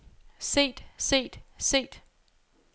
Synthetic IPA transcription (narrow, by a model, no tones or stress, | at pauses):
se̝̰ːd̥se̝̰ːd̥se̝̰ːd̥